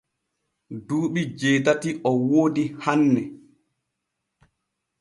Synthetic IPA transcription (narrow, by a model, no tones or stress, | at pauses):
duːɓid͡ʒɛːtatiʔɔwoːdihanːɛ